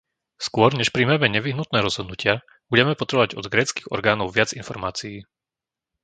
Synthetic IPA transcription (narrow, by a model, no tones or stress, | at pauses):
skʊɔɾɲɛʃpɾiːmamɛɲɛʋiɦnut̪̚nɛːɾɔzɦɔd̪nucɪa | b̥uɟɛmɛpɔt̪ɾɛbɔʋaɟɔd̪ɡɾɛːt͡skiːɣɔ̰ɾɡaːnɔʊʋɪad͡zinfɔɾmaːt͡sijiː